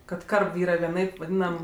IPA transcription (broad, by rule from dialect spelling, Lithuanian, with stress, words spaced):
kɐt ˈkɐrp ˈiːrɐ ʋʲiɛˈnɐɪp ʋɐˈdʲiːnɐm